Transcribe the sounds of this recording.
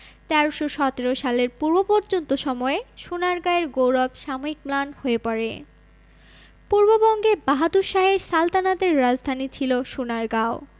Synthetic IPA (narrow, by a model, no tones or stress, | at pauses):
t̪ɛɾoʃoʃɔt̪eɾoʃaleɾpuɾbopɔɾd͡ʑont̪oʃɔmɔeʃunaɾɡaeɾɡowɾɔbʃamoɾik̚planhoepaɾḛ | puɾbobɔŋɡebaɦad̪uʃaɦeɾsalt̪anat̪eɾːad͡ʑd̪ʱanit͡ɕʰiloʃunaɾɡao